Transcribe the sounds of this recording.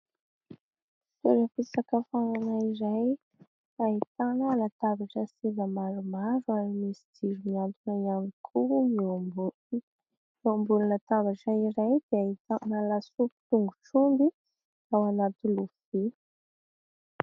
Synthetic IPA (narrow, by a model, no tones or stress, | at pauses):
feɾəfisakəfananaiɾaj | aɦit̪anəalat̪avaʈ͡ʂəsevəmaɾumaɾuamimisi̥d̪iɾumiant̪unaanikʰumiobu | miombulunət̪avaʈ͡ʂaiɾajd̪eait̪analasupi̥t̪uŋɡuʈ͡ʂumbi | awanat̪ulufi